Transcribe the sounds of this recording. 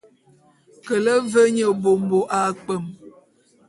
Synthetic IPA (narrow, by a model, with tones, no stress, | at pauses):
kə˨lə˦və˦ɲə˨bo˨mbo˨ʔa˨k͡pə˦˨m